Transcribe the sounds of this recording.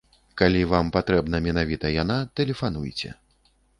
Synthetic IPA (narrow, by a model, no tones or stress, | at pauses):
kalʲivampat̪ɾɛbn̪ɐmʲɛnavʲit̪ɐjanat̪ɛlʲɛfanujt͡sʲɛ̰